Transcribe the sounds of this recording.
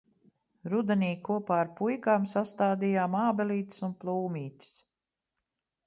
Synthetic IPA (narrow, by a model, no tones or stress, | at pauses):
ɾud̪ɛniːkuɔpaːɾpujkaːmsast̪aːd̪ijaːmaːbɛliːt̪sunplˠuːmʲiːt̪i̥s